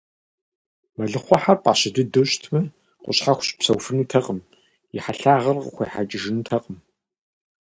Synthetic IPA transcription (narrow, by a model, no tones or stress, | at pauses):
mɐɮɨχʷɔħarpʼaːɕɐdɨdɨɕtʰmɐ | qʷʊ̰ɕħaxʷɕʼpsɐwfɨnuːtʰɐqʼəm | jɪħaɬaːʁɐrqəxʷeːħat͡ʃʼɪʒɪnuːtʰɐqʼəm